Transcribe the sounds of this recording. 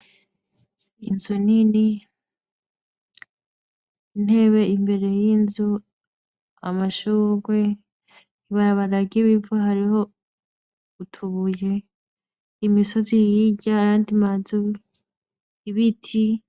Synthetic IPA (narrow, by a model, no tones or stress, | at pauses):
inzunini | in̥e̞βe̞imbe̞ɾe̞jinzu | a̰maʃuːɡwe̞ | iβaɾaβaɾaɡiβivaɦaɾiho̞ | utʰuβuje | imiso̞zijiɟaːjandimazu | iβitʰi